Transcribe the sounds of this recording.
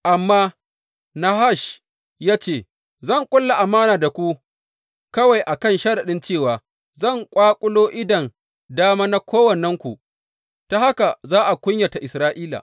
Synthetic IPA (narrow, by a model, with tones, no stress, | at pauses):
ʔa˨mːaː˦ | na˦ha˦˨ʃ | jaː˦t͡ʃeː˨ | zɐ˦˨ŋkʷʼʊ˦lːa˨ʔa˨maː˦naː˨da˨kʷu˦ | kɐ˦wa˨jʔa˨kɐ˦nʃɐ˦ɾa˨ɗɪ˦nt͡ʃeː˦˨waː˨ | zɐ˦˨ŋkʷʼaː˦kʷʼʊ˦loː˦ʔɪ˦dɐ˨n | daː˦maː˦na˦kʷoː˦wɐ˨nɛ˦ŋkʷu˨ʔ | ta˦ha˦ka˨zaː˦ʔa˨kʷʊ˦ɲja˨ta˨ʔɪ˨sɾaː˦ʔiː˦la̰ː˨